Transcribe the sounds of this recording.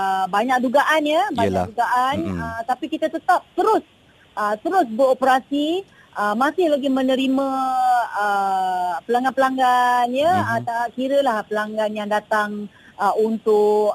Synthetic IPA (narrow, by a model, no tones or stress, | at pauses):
əbaɲak̚duɡaʔanjəbaɲakduɡaʔanət̪apikit̪at̪ət̪ap̚t̪əɾʊs | ʔət̪əɾʊs̬bəɾopəɾasi | ʔəmasɪhlaɡimə̃nə̃ɾimã | ə | pəlaŋɡanpəlaŋɡanjəət̪akiɾəlahpəlaŋɡanjaŋdat̪aŋ | əunt̪ʊk